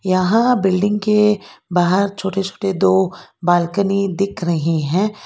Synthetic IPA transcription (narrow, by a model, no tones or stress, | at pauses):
jɐɦãbɪlɖɪ̃ŋɡkebaːɦəɾt͡ʃʰoːʈet͡ʃʰo̥ːʈed̪oːbaːlkənid̪ɪkʰɾɐɦiɦɛ̃ː